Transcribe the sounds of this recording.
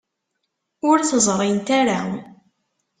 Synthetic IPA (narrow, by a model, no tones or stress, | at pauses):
ʊɾθəzˤɾˤint̪æɾa